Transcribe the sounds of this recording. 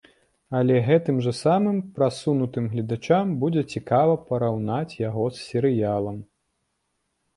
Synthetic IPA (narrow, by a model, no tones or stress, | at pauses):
ɐlʲɛɣɛt̪ɨmʐɐsamɨmpɾasunut̪ɨmɣlʲid̪at͡ʂambud͡zʲɛt͡sʲikavɐpɐɾawnat͡sʲjaɣɔssʲɛɾɨjalˠɐm